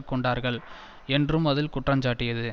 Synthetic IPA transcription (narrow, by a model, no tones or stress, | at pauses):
kːɔɳɖaːɾɣɐɭ | ɛndrɯmɐðɪlkʊʈːrɐɲd͡ʒaːʈːɪjɐðɯ